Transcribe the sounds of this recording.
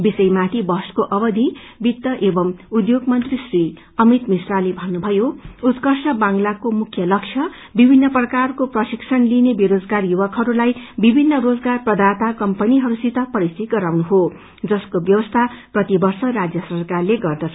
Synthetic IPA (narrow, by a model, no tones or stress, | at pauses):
bisʌjmat̪ʰibʌskoʔʌβʌd̪ʱi | bit̪ːʌʔebʌmud̪joɡmʌnt̪risri | ʌmit̪misralibʱʌnːubʱʌjout̪kʌrsʰʌbãŋlakomukʰːjʌlʌksʰjʌ | bibʱinːʌprʌkarkoprʌsiksʰʌnlinebiɾod͡zɡarjubʌkɦʌɾulajbibʱinːʌɾod͡zɡarprʌd̪ant̪akʌmpʌniɦʌɾusit̪ʌpʌɾist̪it̪̚ɡʌɾawnuɦo | d͡zʌskobjʌbʌst̪ʰaprʌt̪ibʌrsʌrad͡zjʌsʌrkarleɡʌrd̪ʌt͡sʰ